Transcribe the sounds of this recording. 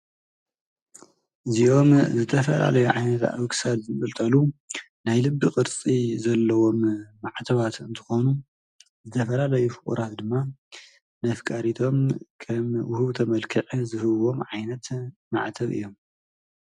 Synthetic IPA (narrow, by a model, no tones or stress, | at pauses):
ʔɨziʔo̞mzɨt̪ʰɐfɐla̰lɐjuʕajnɐt̪a̰βksalzɨkʼɨlt̪ʼɐlu | najlɨbːɨkʼɨɾt͡sʼizɐlːɐwo̞mːaʕt̪ʰɐβat̪ɨnt̪ʰɨ̥xonu | zɨt̪ʰɐfɐlalɐjufɨχʼṵɾat̪d̪ɨmːa | nɐfkʼaɾit̪ʰo̞mkʰɐmwʊhuβt̪ʰɐmɐlkʰɨʕizɨhɨβwo̞mʕajnɐt̪ma̰ʕt̪ʰɐβɨ̰jːo̞m